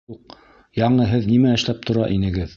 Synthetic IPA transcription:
uq̚ | jɑɴɤɦɘðnimæɘ̆ʃlæp̚t̪ʰŏɾɑʔinɘ̆ɡɘð

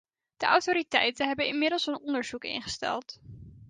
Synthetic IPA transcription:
d̥əʔɑwtoːɾitɛjtənɦɛbənɪnmɪdəlˠsənɔndəɹz̥ukɪ̰nχə̥stɛ̰lˠt

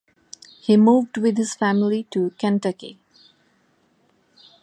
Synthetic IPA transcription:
hiːmuːʋɖwɪd̪hɪz̥fæmɪliʈukæ̃nʈəkḭ

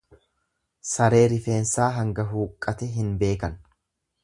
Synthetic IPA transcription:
sɐɾe̞ːɾɪfe̞ːnsaːɦɐŋɡɐɦuːkʼːɐt̪ɛɦɪnbe̞ːkɐn

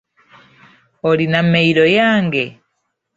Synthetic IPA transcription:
olinameiɾojaːŋɡe

